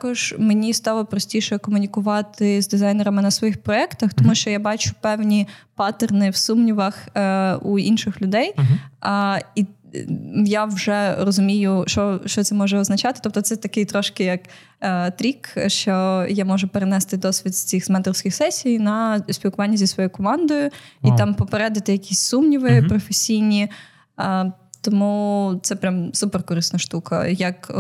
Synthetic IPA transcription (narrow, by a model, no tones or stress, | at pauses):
t̪kɔʒ̥menʲist̪ɑlˠɔpɾɔsʲtʲijʃɛkɔmʊnʲikʊʋɑt̪ɪzd̪ɪzɑjnɛɾɐmɪnɐsʋɔjixpɾɔɛkt̪ɐxt̪ɔmuʃt͡ʃɔjabɑt͡ʃʊ̥pɛwnʲipɑt̪ernɪwsumnʲiʋɐxuinʃɪxlʲʊd̪ɛj | i | jawʒɛrɔzʊmʲijʊʃt͡ʃɔʃt͡ʃɔt̪sɛmɔʒɛɔznɐt͡ʃɑt̪ɪ̥t̪ɔp̚t̪ɔt̪sɛt̪ɐkɪjt̪ɾɔʃkɪjɐk | t̪ɾʲikʃt͡ʃɔjamɔʒʊpeɾenɛst̪ɪd̪ɔsʲʋʲit̪sʲt͡sʲixsmɛnt̪ɔwsʲkʲɪxsɛsʲijnɐsʲpʲilˠkʊʋɑnʲːɐzʲisʋɔjujkɔmɑnd̪ɔjʊit̪ɑmpɔpeɾɛd̪ɐt̪ɪjɐkʲʰisʲsumnʲiʋɪpɾɔfesʲijnʲi | t̪ɔmut̪sɛpɾʲamsuperkɔɾɨsnɐʃt̪ukɐ̰jɐk